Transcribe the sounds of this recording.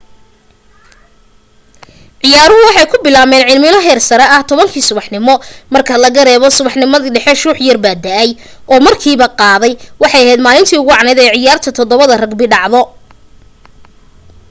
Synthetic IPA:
ʕɪjaːɾʊɦʊwɑħɑjkʰʊbɪlaːmɛːnʕɪlmɪnɔɦɛːrsɐɾɛʔɐht̪ʰɔβɐŋkʰiːsʊβɑħnɪmɔmɐrkʰɐlɐɣɐɾɛːβɔsʊβɑħnɪmɐðiːɖɛħɛʃuːħjɐrbaːd̪ɐʔɛj | ʔɔːmɐrkʰiːβɐqɑːðɛjwɑħɑjɐɦɛːd̪maːlɪnt̪ʰiːʊɣʊʕɑnɛjðɛjʕɪjaːrt̪ʰɐt̪ʰɔd̪ɔβɐðɐrɐɡbɪɖɑʕðɔ

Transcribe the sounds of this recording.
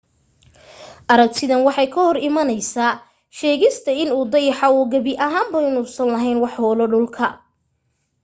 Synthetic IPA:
ʔɐɾɐk̚t̪ʰɪðɐnwɑħɑjkʰɐhɔrɪmɐnɛjsaː | ʃɛːɣɪst̪ʰɐɪnuːd̪ɐjɑħɑɔːɡɐβɪʔɐɦaːmbɐjnʊːsɐnlɐɦɛjnwɑħhɔːlɔɖʊlkʰɐ

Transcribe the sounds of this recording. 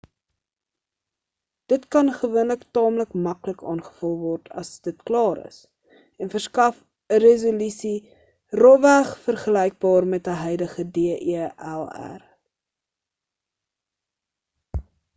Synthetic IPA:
d̥ətkɐnχəvuənləktɑːmləkmɐkləkɑːnχə̥fəlˠvɔrtʰɐ̰sd̥ətklɑːɾə̰s | ɛnfərskɐf | ərezolysi | rɔvæχfərχəlɛjk̚bɑːrmɛtəɦœjdəχədeəʔiælˠæ̰r

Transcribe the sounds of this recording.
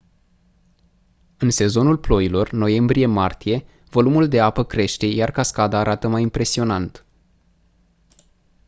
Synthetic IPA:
ɨnse̞zo̞nulplo̞jilo̞rno̞je̞mbɾije̞mart̪ije̞ | vo̞lumuld̪e̞apəkɾe̞ʃt̪e̞jarkaskad̪aːɾʔat̪əmajimpɾe̞sio̞nant̪

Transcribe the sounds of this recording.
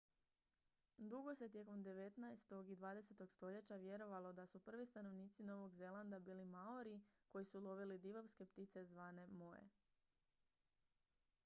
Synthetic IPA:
d̪uɡo̞se̞t̪ʲje̞ko̞md̪e̞ʋe̞t̪najst̪o̞ɡid̪ʋaːd̪e̞se̞t̪o̞ɡst̪o̞ʎe̞t͡ɕaʋje̞ɾo̞ʋalˠo̞d̪asupr̩ʋist̪ano̞ʋniːt̪sino̞ʋo̞ɡze̞lˠand̪abiːlimaoɾiko̞jisulˠo̞ʋilid̪iʋoʋske̞pt̪it̪se̞zʋaːne̞mo̞ḛ

